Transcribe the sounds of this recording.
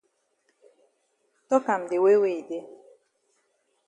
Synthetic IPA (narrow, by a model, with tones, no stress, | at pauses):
tɔ˦ka˨m̩˨dɪ˨we˦we˨i˨de˦